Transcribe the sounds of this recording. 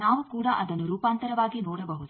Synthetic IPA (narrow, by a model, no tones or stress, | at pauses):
naːʋukuːɽɐʔɐd̪ɐnːuɾuːpaːnt̪ɐɾɐʋaːɡinoːɽɐbɐɦud̪u